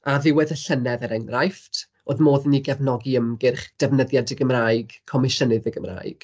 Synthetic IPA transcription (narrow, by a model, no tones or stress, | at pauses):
aðɪwɛðəɬənɛðəɾɛŋrajftʰ | oðmoːðniɡɛvnɔɡiəmɡɪrχd̥ɛvnəðjadəɡəmraːɨɡ̥kʰːɔmɪʃənɨðəɡəmra̰ːjɡ̥